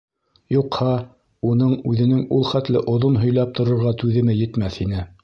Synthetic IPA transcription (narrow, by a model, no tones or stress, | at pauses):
juqhɑ | unɤɴʉðɘ̆nɘŋulˠχæt̪lɘʔŏðonɦɵ̆jlæp̚t̪ŏɾŏɾʁɑt̪ʉðɘ̆mɘjɘ̆t̪mæθhinɘ